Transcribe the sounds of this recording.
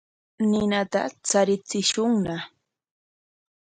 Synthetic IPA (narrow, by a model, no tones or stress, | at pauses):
nɪnat̪a̰t͡saɾɪt͡sɪʃʊŋna